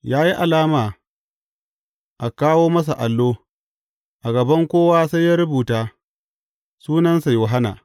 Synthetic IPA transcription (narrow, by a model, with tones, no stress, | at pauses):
jaː˦ji˦ʔa˨laː˦maː˨ | ʔa˨kaː˦woː˦mɐ˦s̬a˨ʔa˨lːoː˦ | ʔa˨ɡɐ˨bɐ˦ŋkʷoː˦waː˦sa˦jaː˦ɾʊ˦buː˨taː˦ | suː˦nɐ˦nsa˨jʊ˨ɦa˦na̰˨